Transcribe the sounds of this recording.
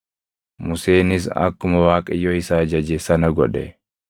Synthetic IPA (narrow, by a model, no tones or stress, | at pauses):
mʊse̞ːnɪs̬ɐ̰kːʊmɐwaːkʼɐjɔɪsaːd͡ʒɐd͡ʒɛsɐnɐɡɔᶑɛ